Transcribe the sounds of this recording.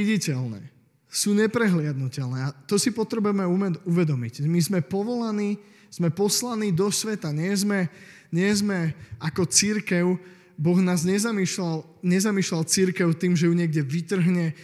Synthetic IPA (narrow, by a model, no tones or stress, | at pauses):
iɟicɛlnɛ̰ː | suːɲɛpɾɛɦlɪad̪nucɛlnɛat̪ɔsipɔt̪ɾɛbujɛmɛumɛd̪uʋɛd̪ɔmicmizmɛpɔʋɔlaniː | z̥mɛpɔslaniːd̪ɔsʋɛt̪aɲɪɛzmɛ | ɲɪɛzmɛakɔt͡siɾkɛʊ | bɔɣnaːzɲɛzamiːʃlal | ɲɛzamiːʃlalt͡siɾkɛʊt̪iːmʒɛjuɲɪɛɡɟɛʋit̪r̩ɦɲɛ